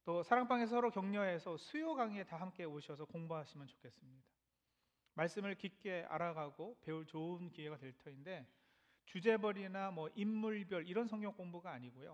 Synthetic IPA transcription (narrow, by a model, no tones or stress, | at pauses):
t͈osʰaɾaŋp͈aŋes̬ʰʌɾokjʌŋɲʌɦe̞sʰʌsʰujoɡaŋietaɦamk͈e̞oɕʰʌsʰʌkoŋboɦaɕʰimjʌnt͡ɕo̥kʰe̞s͈ɯmɲid̥ḁ | maɭs͈ɯmɯɭkik͈e̞a̰ɾaɡaɡope̞uɭt͡ɕounkie̞ɡadwe̞ɭtʰʌinde̞ | t͡ɕud͡ʑe̞bʌɾinamwʌʔimːuɭbjʌɭiɾʌnsʰʌŋɡjʌŋk͈oŋbuɡaːɲiɡojo̰